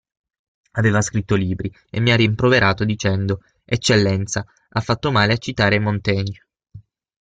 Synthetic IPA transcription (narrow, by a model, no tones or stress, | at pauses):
aveːvaskɾit̪ːoliːbɾi | ḛmːiarːimpɾoveɾʔaːt̪od̪it͡ʃɛnd̪o | et͡ʃːelːɛnt̪sa | afːat̪ːomaːleat͡ʃːit̪aːɾemont̪ɛːɲo